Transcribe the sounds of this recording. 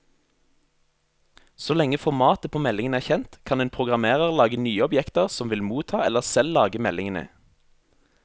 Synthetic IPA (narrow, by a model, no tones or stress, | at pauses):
soːlɛŋəfɔʁmɑːt̪əpʰoːmɛlɪŋənæːçɛnt̪kʰɑneːnpʰʁʊɡʁɑmeːʁəʁlɑːɡənyːəɔbjɛkt̪əʁsɔmʋɪlmuːt̪ʰɑːɛləʁsɛllɑːɡəmɛlɪŋənə̰